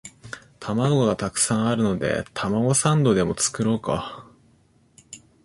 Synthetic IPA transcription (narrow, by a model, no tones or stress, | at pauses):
t̪ʰamaɡo̞ɡat̪akɯ̟̥sãɰ̃aɾɯ̟no̞d̪e̞̰t̪ʰamaɡo̞sãnd̪o̞d̪e̞mo̞t͡sɨ̥kɯ̟ɾo̞ːka̰